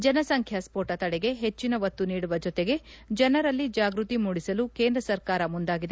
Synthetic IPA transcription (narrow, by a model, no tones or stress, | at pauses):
d͡ʒɐnɐsɐŋkʰjɐspoːʈɐt̪ɐɽɛɡe̞ɦet͡ʃːinɐʋɐt̪ːuniːɽuʋɐd͡ʒot̪eɡe̞d͡ʒɐnɐɾɐlːid͡ʒaːɡɾut̪imuːɽisɐluke̞ːnd̪ɾɐsɐɾkaːɾɐmund̪aːɡid̪e